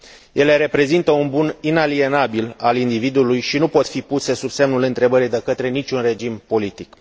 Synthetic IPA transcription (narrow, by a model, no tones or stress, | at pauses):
jʔe̞le̞ɾe̞pɾe̞zint̪əunbuninalie̞nabilalind̪ivid̪uulujʃinupo̞t̪fipuse̞subse̞mnulɨnt̪ɾe̞bəɾid̪e̞kət̪ɾe̞nit͡ʃʲunre̞d͡ʒimpo̞lit̪ik